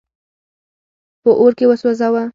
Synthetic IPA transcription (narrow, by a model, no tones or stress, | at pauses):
pəʔoɾkewəswozawa